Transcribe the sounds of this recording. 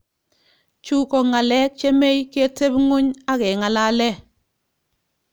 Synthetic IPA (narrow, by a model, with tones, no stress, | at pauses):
t͡ʃu˦kɔ˨ŋa˨lɛ˦k̚t͡ʃe˦me˦jke˦te˦bŋo˦ɲa˦kɛ˨ŋa˨la˦lɛ˦˨